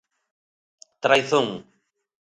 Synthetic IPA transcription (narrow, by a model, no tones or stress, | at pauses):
t̪ɾajθoŋ